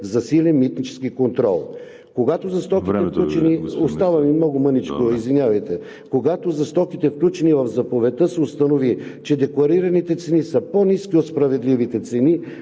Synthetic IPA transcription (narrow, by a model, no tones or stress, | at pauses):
zɐsilʲɛnmit̪nit͡ʃɛ̥skikont̪ɾɔ̰lˠ | koɡat̪ozɐst̪ɔkit̪ɛfklut͡ʃɛniost̪avɐmimnɔɡʊmənit͡ʃkoizvinʲavɐjt̪ɛ | koɡat̪ozɐst̪ɔkit̪ɛfklʲut͡ʃɛnivɐvzɐpovɛt̪əsɛost̪ɐnovit͡ʃɛd̪ɛklˠɐɾiɾɐnit̪ɛt̪sɛnisəponiskʲiot̪spɾɐvɛd̪livit̪ɛt̪sɛni